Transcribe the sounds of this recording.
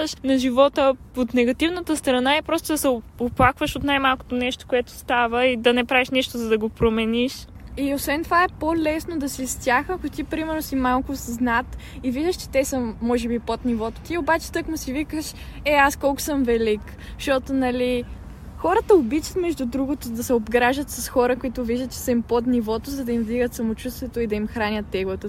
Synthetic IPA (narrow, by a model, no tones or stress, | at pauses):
ʃnɐʒivɔt̪ə | ot̪nɛɡɐt̪ivnət̪əst̪ɾɐnaɛpɾɔst̪od̪ɐsɛoplˠakvəʃot̪najmalˠko̥t̪onɛʃt̪o̥koɛt̪o̥st̪avəid̪ɐnɛpɾaviʃnɛʃt̪ozɐd̪ɐɡopɾomɛniʃiosvɛnt̪ovaɛpolɛsnod̪ɐsist̪ʲjaxɐkʊt̪ipɾimɛɾnosimalˠkʊsznat̪ | iviʒd̪əʃt͡ʃɛ̥t̪ɛsəːɔʒɛbipot̪nivɔt̪o̥t̪iobat͡ʃɛ̥t̪ɤkmʊsivikəʃɛaskɔlˠkʊ̥səmvɛlik | ʃt̪ɔt̪onɐli | xɔɾət̪əobit͡ʃɐ̥t̪mɛʒd̪ud̪ɾuɡot̪od̪ɐsɛobɡɾaʒət̪sɐsxɔɾəkʊit̪ʊviʒd̪ət̪t͡ʃɛ̥səimpot̪nivɔt̪ozɐd̪ɐimvd̪iɡət̪sɐmot͡ʃust̪vɛt̪oid̪ɐimxɾanʲət̪ːɛɡlˠət̪ə